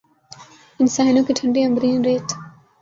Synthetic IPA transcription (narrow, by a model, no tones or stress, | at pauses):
ɪnsaːɪnõːkiʈʰɐ̃ɳɖiɐ̃mbɾĩːnɾeːt